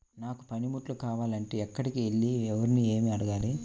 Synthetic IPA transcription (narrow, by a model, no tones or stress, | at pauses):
naːku̥pɐnimuʈlukaːʋaːlɐɳʈe̞ːɛkːɐɽikieɭːiɛʋɐɾinie̞ːmiɐɽɐɡaːli